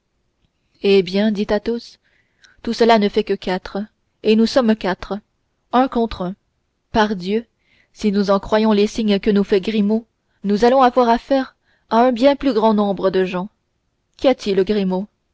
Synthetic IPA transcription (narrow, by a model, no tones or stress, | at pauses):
ebjɛ̃d̪it̪at̪os | t̪usəlanəfɛkəkat̪χə | enusɔmkat̪χə | ɛ̃kɔ̃t̪χɛ̃ | paʁd̪jø | sinuzɑ̃kχwajɔ̃lesiɲkənufɛɡʁimo | nuzalɔ̃avwaʁafɛʁ | aɛ̃bjɛ̃plyɡʁɑ̃nɔ̃bʁəd̪əʒɑ̃ | kʲiat̪ʰilɡʁimo